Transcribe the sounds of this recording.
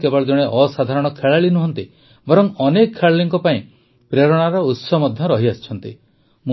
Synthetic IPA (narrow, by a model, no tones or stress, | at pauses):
kebɔɭd͡ʒɔɽ̃eʔɔsad̪ʱaɾɔɽ̃ɔkʰeɭaɭinuɦɔnt̪i | bɔɾɔŋɔnekɔkʰːeɭɭiŋkɔpaĩ | pɾeɾɔɽ̃aɾɔut̪sɔmɔd̪ʱjɔɾɔɦiast͡ʃʰɔnt̪i | mu